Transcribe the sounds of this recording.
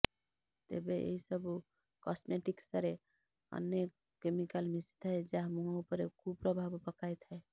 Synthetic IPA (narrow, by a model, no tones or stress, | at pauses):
t̪ḛbeʔḛɦisəbu | kɔsmeʈiksəɾe | ə̰nːe | kemikəlmist̪ed͡ʒaɦmuɦaupəɾekʰupɾəbʱabpəkajt̪ɦɛe